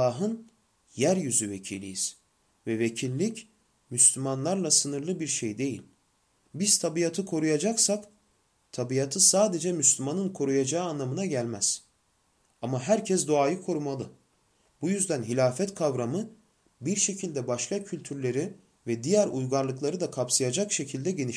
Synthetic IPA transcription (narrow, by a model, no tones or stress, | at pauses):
aːɦɯn | jæɾjyzyvecʰḭːlʲḭjiz̥ | vɛvecʰilʲːic | myslʲymanlˠaɾlˠasɯnɯɾlˠɯbiɾʃejd̪ejḭlʲ | biz̥t̪ʰabijat̪ʰɯkʰo̞ɾujad͡ʒaksak | t̪ʰabijat̪ʰɯsaːd̪e̞d͡ʒɛmyslʲymanɯnkʰo̞ɾujad͡ʒaːɯːnlˠamɯnaɟælʲmæz̥ | amaɦæɾcʰɛsd̪oaːjɯkʰo̞ɾumalˠɯ | b̥ujyzd̪ænɦilʲaːfɛt̪kʰavɾamɯ | biɾʃe̞cʰilʲd̪ɛbaʃk̪ˠacʰylʲt̪ʰyɾlʲe̞ɾi | vɛd̪ijæɾujɡaɾlˠɯklˠaɾɯd̪akʰapsɯjad͡ʒakʃe̞cʰilʲd̪ɛɟe̞niʃ